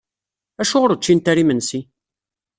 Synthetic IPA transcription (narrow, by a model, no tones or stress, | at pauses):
æʃʊʁəɾət͡ʃːint̪æɾimənsi